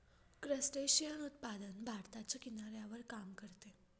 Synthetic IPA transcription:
kɾəsʈeɕijənut̪̚pad̪ənbʱaɾt̪at͡ɕakinaɾjaʋəɾkamkəɾt̪e

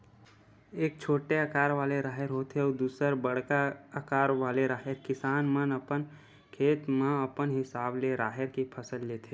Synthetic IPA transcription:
eːk̚t͡ʃʰoːʈeəkaːɾʋaːleɾaːɦəɾɦoːt̪ʰeɔːɾd̪uːsəɾbəɽkaəkaːɾʋaːleɾaːɦeɾkɪsaːnmənəpən | kʰeːt̪mãɐpənɦɪsaːbleɾaːɦəɾkipʰəsəlːeːt̪ʰe

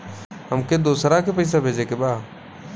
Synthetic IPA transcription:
ɦəmked̪oːsɾakepəɪs̬abʱeːd͡ʒeːkebaː

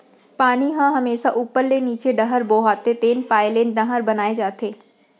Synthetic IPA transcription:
paːniɦãɦɐmeːʃaʔuːpːəɾleniːt͡ʃeɖɐɦəɾboːɦaːt̪et̪eːnpaːɪleːnɖɐɦəɾbɐnaːed͡ʒaːt̪eː

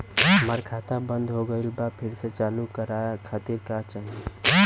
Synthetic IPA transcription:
ɦəməɾkʰat̪abənd̪ɦoɡəɪlbapʰiɾset͡ʃalukəɾakʰat̪iɾkat͡ʃaɦi

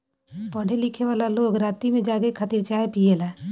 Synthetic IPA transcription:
pəɽ̤ʱelɪkʰeʋaːlaloːɡɾaːt̪imẽd͡ʒaːɡekʰət̪iɾt͡ʃaːepiːelɛː

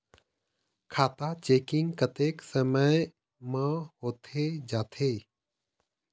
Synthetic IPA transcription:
kʰaːt̪at͡ʃeːkɪŋɡkət̪eːksəməj | mãhoːt̪ʰed͡ʒaːt̪ʰeː

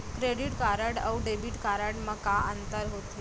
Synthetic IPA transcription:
kɾeɽiʈkaɾəʈawɖebiʈkaɾəʈməkaənt̪əɾɦot̪i

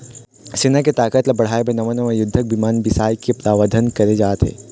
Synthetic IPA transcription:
sɪnak̬et̪aːkət̪lɐbɐɽ̤aːebʱẽnɐmənõmẽjʊd̪ʱːək̚bimaːnbɪsaːjkepɾaːʋəd̪ʱənkɐɾed͡ʒaːt̪ɦḛː

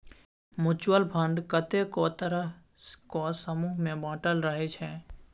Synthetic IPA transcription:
mʊt͡ʃwəlpʰə̃ɳɖkət̪ekot̪əɾə | kɔːsəmuːɦmẽbãːʈəlɾəɦet͡ʃʰɛː

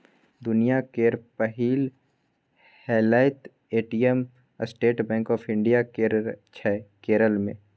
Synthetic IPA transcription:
d̪ʊnijakeːɾpəɦiːl | heːlaːɪt̪ | eːʈijəm | sʈeːʈbɛ̃ːŋkɔːpʰɪ̃ɳɖijakt͡ʃʰɛːkeːɾəlmḛ̃ː

